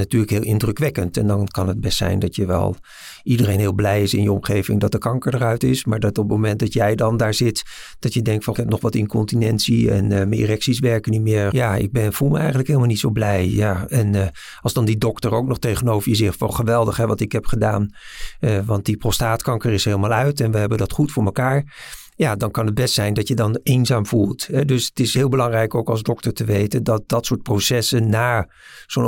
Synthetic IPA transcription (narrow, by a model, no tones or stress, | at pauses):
natyːɹləkɦɪːlˠɪndrɵkʋɛkəntɛ̰ndɑnkɑnɦəd̚bɛstsɛ̰jndɑtjəʋɛ̰lˠ | idərejnɦɪːlˠblɛjɪsɪ̰njəɔmχejvɪ̰ŋdɑt̚dəkɑŋkəɹdəɹœɥtɪsmaːɹdɑtɔpmowmɛnt̚dɑtjɛjdɑndaːɹzɪt | d̥ɑtjədɛŋk̚tfɑɪkɦɛpnɔχʋɑtɪnkɔntinɛntsiɛ̰nmənḭrɛksisʋɛɹkənitmɪːɹjaːɪ̰ɡ̚bɛnfulˠməɛjχənləkɦeɪləmalˠnitsowblɛjjaːɛn | ɑlˠzdɑndidɔktəɹowknɔχtejχənowvəɹjəzɪχfɑlχəʋɛlˠdəχɦɛʋɑtɪkɦɛpχədaːn | ʋɑnt̚diprostaːtkɑŋkəɹɪsɦelˠəmaːlˠœɥtɛnʋəɦɛbəndɑtχutfʊːɹməkaːɹ | jaːdɑnkɑnəd̚bɛstsɛjndɑtjədɑnenzaːmvulˠtɦɛdɵsətɪsɦɪːlˠbəlɑŋrɛjkowkɑlˠzdɔktəɹtəʋejtəndɑt̚dɑtsʊːɹt̚prosɛsənːaː | z̥on